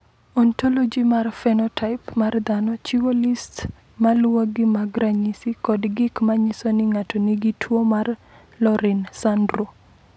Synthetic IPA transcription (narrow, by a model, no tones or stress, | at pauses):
ɔntolod͡ʒimarfɛnɔtʰaɪpmard̪anɔt͡ʃiwolist | malwoɡɪmaɡɾaɲisikɔdɡɪkmaɲɪsonɪŋatɔniɡitʰwomar | lɔɾɪnsandɾo